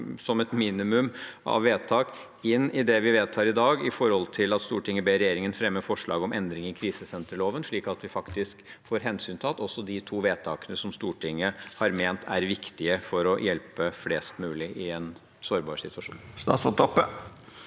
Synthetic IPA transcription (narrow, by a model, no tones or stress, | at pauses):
sɔmɛt̪miːnɪmʉmʔɑ̰ʋʋeːt̪ʰɑːk | ɪnːɪd̪ɛʋɪʋeːt̪ʰɑːɾɪd̪ɑːɡɪfɔɾhɔlt̪ʰɪlɑt̪st̪uːʈɪŋːəbeːɾɛjeːɾɪŋənfɾɛmːəfɔʂɭɑːɡɔmɛnd̪ɾɪŋɪkʰɾiːsəsɛnt̪ɾəloːʋənʂɭiːkɑt̪ʋɪfɑkt̪ɪskfoːɾɦɛnsyːnt̪ʰɑt̪ɔsːɔd̪ɪt̪ʰuːʋeːt̪ʰɑːkənəsɔmst̪uːʈʰɪŋːəhɑɾmeːnt̪ʰæɾʋɪkt̪ɪəfɔɾɔjɛlpəfleːst̪mʉːlɪʔɪɛn | soːɾbɑːʂsɪt̪ʉɑʂṵnːnst̪ɑ̰ːsɔt̪ʰɔpːə